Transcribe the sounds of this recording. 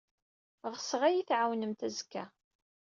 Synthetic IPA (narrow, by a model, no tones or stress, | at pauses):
ʁsəʁæjiθʕawnəmt̪æzəkːæ